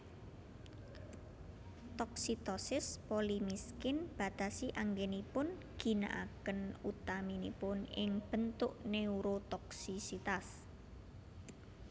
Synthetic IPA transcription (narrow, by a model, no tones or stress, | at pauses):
t̪ɔksit̪ɔsɪspolimiskɪnb̥a̤t̪asiʔaŋɡenipʊn | ɡ̥i̤na̰ʔa̰kənut̪aminipʊnɪŋb̥ə̤nt̪ʊʔneuɾot̪ɔksisit̪as